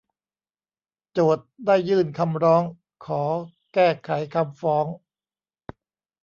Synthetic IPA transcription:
t͡ɕoː˨˩t̪̚daː˥˩jːɯː˥˩nkʰa˧mɾɔː˦˥ŋ | kʰɔː˩˦ | kɛː˥˩kʰa˨˩˦jkʰa˧mfɔː˦˥ŋ

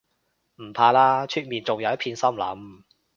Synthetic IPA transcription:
m̩˨˩pʰaː˧laː˥t͡ʃʰyː˧k̚miː˨nt͡sʊ˨ŋjɐ˨˧wjɐ˥tpʰiː˧nsɐ˥mlɐ̰˨˥m

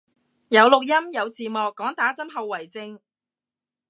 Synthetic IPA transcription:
jɐ˨˧wlʊ˨k̚jɐ˥mjɐ˨˧wt͡siː˨mɔː˨kːɔː˨˥ŋt̪aː˨˥t͡sɐ˥mɦɐ˨wːɐ˨˩jt͡sɪ˧ŋ

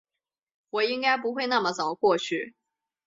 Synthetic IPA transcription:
wɔ˨˩i˥ŋka˥ɪp̬u˧˥xwe˥˧ɪna˥˩mə˩t͡sə˨˩mə˦kwɔ˥˧t͡ɕʰy˥˩

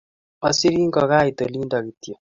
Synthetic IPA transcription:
ɔ˨si˦ɾi˦ŋ˦ɡɔ˨ɣa˦i˨t̪o˨li˦nda˨ɡi˨tjo˨

